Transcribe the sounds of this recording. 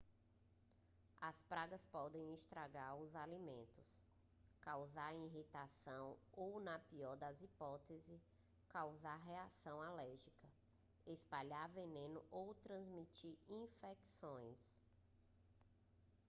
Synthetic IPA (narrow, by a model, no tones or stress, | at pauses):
ɐspɾaɡɐspɔd̪ẽj̃ist̪ɾaɡaɾʊzalimḛ̃nt̪ʊs | kawzaɾiɦit̪asɐ̃w̃ownɐpiɔɾd̪ɐzipɔt̪ezɪ | kawzaɦeasɐ̃w̃alɛɾʒikɐ | espaʎavenẽnʊʔowt̪ɾɐ̃zmit͡ʃiɾĩfɛksõj̃s